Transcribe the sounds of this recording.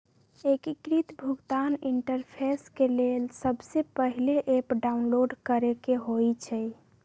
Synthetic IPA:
ekikɾit̪bʱuɡt̪aniɳʈəɾpʰeskelelsəbsepəɦileʔepɖaunloɖkəɾekeɦojt͡ʃʰɛj

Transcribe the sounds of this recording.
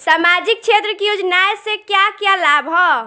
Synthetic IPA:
samad͡ʒik̚t͡ʃʰet̪ɾəkijod͡ʒnaesekjakjalabɦɔ

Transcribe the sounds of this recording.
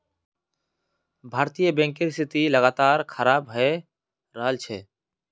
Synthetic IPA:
bʱaːɾt̪ijəbɛ̃ːŋkɪɾst̪ʰɪt̪iləɡaːt̪aːɾkʰəɾaːbɦɛ | ɾaːlt͡ʃʰɛː

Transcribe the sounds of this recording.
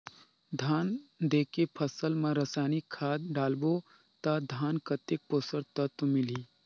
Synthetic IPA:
d̪ʱaːnd̪eːkepʰəsəlmãɾɐsaːnikʰːaːd̪̚ɖaːlbo | t̪ad̪ʱaːnkɐt̪ek̚poːsəɾt̪ɐt̪umɪliː

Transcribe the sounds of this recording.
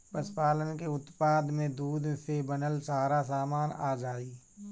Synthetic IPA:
pəspaːlənkeʊt̪paːd̪mẽd̪uːd̪sebənəlsaːɾasaːmaːnaːd͡ʒaːiː

